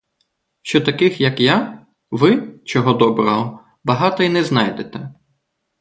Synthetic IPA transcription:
ʃt͡ʃɔt̪ɐkɪxjɐkja | ʋɪt͡ʃɔɦɔd̪ɔbɾɔɦɔ | bɐɦɑt̪ɔinɛznɑjd̪et̪ɛ

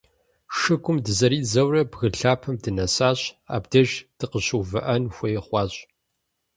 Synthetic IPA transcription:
ʂɨɡʷʼʊmdɨzɐɾiːzɐwrɐbɣɨɬaːpʰɐmdɨnɐsaːɕa̰ːbdɐʒd̥ʰɨqəɕuːvɨʔɐnxʷɐjɛχʷɑːɕʼ

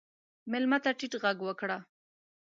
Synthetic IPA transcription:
mɪlmat̪aʈiʈɣaɡwəkɽa

